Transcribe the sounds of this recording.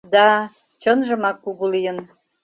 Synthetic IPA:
d̪ɑ | t͡ɕənʒə̆mɑkːuɣulijən

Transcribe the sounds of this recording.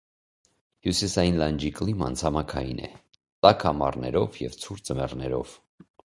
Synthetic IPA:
hjusisɑjinlɑnd͡ʒiklimɑ̰nt͡sʰɑmɑkʰɑjḭnɛ̰ | t̪ɑkʰɑmɑrnɛɾɔvjɛvt͡sʰuɾt͡səmɛrnɛɾɔ̰v̥

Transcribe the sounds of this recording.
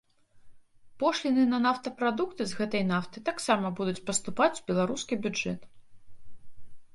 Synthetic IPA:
pɔʂlʲinɨnɐnaft̪ɐpɾad̪ukt̪ɨzɣɛt̪ɐjnaft̪ɨt̪aksamɐbud̪ut͡sʲpɐst̪upat͡sʲu̥bʲɛlˠaɾuskʲibʲud͡ʐɛ̰t̪

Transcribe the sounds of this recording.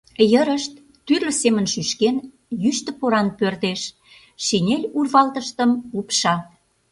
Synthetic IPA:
jəɾəʃt̪̚ːyrlø̆semənʃyʃken | jyʃt̪ə̆poɾɑnpørt̪eʃ | ʃinʲelʲurβɑlt̪əʃt̪əmupʃɑ

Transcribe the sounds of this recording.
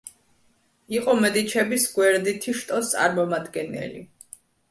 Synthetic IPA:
iqʼɔmɛd̪it͡ʃʰɛbisɡwɛɾd̪it̪ʰiʃt̪ʼɔst̪sʼa̰ɾmɔmad̪ɡɛnɛ̰lḭ

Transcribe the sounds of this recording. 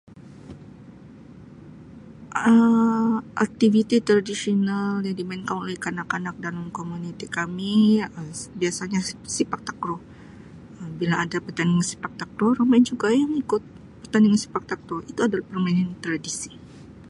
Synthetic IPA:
ʔə | ʔa̰k̚t̪ivit̪it̪ɾadisionaljaŋdimainkanolɛhkanakanak̚dalamkomunit̪ikamiəbiasaɲasipak̚t̪akɾo | əmbilaːdapərt̪andɪŋansi̥pak̚t̪akɾoromaɪnd͡ʒuɡajaŋikʊt̪̚ | pərt̪andɪŋansi̥pak̚t̪akɾoit̪uadalahpərmainant̪ɾadisi̥

